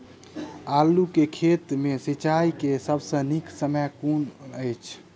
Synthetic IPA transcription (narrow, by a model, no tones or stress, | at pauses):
alukekʰet̪mesit͡ʃaikesəbʱsə̃niksəməjkunəjt͡ʃʰ